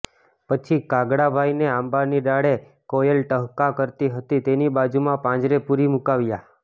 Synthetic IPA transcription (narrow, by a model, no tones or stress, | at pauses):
pət͡ʃʰikaɡɽabʱajneãmbaɾniɖaɽe | kojəlʈəɦkakəɾt̪iɦət̪it̪enibad͡ʒumãpãd͡ʒɾepuɾimukaʋja